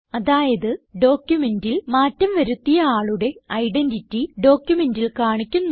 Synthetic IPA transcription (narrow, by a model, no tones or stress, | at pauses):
ɐðaːjɐðɨɖo̞ːkʲjume̞ndilmaːtːɐmʋɐɾut̪ːijɐaːɭuɽe̞ɐjɖenditːiɖo̞ːkʲjume̞ndilkaːɳikʲːunː